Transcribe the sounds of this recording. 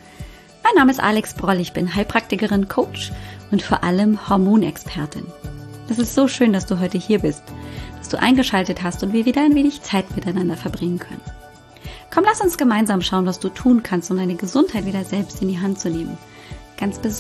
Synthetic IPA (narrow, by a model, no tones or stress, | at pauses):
maɪnːaːməɪstʔa̰ːlɛksb̥ʁɔlɪçb̥ɪnɦaɪpʁ̥ak̚tɪkəʁɪnkʰoːt͡ʃʊntfoːɐʔaləmhɔɐmoːnɛ̰kspʰɛɐtʰɪ̰nʔɛsɪstz̥oːʃøːndasd̥uːɦɔʏtəhiːɐbɪstd̥asd̥uːʔa̰ɪnɡəʃaltəthastʊntv̥iːɐviːdɐaɪnveːnɪçt͡saɪtmɪtaɪnandɐfɛɐbʁɪŋənkʰœ̰nən | kʰɔmlastʊnsɡ̥əmaɪnzaːmʃaʊənvasd̥uːtʰuːnkʰanstʊmdaɪnəɡəzʊnthaɪtviːdɐzɛlpstɪndiːɦant̚t͡suneːmən | ɡ̥ant͡sb̥əz